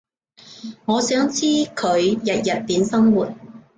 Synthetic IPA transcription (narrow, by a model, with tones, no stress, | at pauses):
ŋɔː˨˧sœː˨˥ŋt͡sʰiː˥kʰɵ˨˧ɥjɐ˨t̚jɐ˨t̚piː˨˥nsɐ˥ŋwuː˨˩t̚